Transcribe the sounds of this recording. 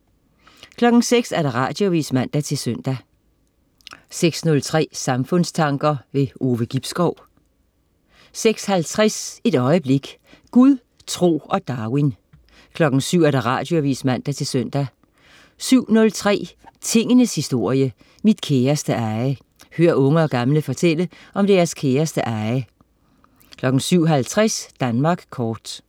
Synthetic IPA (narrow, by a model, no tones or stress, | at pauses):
kʰlɒ̽ɡ̥n̩seɡ̥sæɐɾɑ̈ʁɑ̰̈d̥joʋḭːsmæn̰d̥æt͡sʰe̝lsøn̰d̥æ | seɡ̥snɔ̽lt͡sʰʁɛ̰ːsɑ̈mfɔ̽n̰st͡sʰɑ̈ŋɡ̥ɐʋe̝ʔo̝ːʋəɡ̥ib̥sɡ̥ɒʊ̰ | seɡ̥shælt͡sʰʁɛse̝ɾ̥ɒ̽ɪəb̥le̝ɡ̥ | ɡ̥uðˠ | t͡sʰʁo̝̰ːɒ̽d̥ɑ̈win | kʰlɒ̽ɡ̥n̩syʊ̰æɐɾ̥ɑ̈ʁɑ̈ːd̥jo̝æʋḭːsmæn̰d̥æt͡sʰe̝lsøn̰d̥æ | syʊ̰nɔ̽lt͡sʰʁɛ̰ːt͡sʰe̝ŋ̰ənəshisd̥o̝ɐ̰jə | mid̥kʰeːɐsd̥əʔɑ̈ɪə | høːɐʔɔ̽ŋəɒ̽ɡ̥ɑ̈mləfɒ̽t͡sʰel̰ə | ʔɒ̽md̥e̝æːɐskʰeːɐsd̥əʔɑ̈ɪə | kʰlɒ̽ɡ̥n̩syʊ̰ɦælt͡sʰʁasd̥ænmɑ̈ːɡ̥kʰɒːd̥